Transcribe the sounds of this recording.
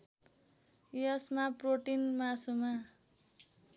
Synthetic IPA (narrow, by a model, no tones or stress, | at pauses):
jʌsmaproʈinmasuma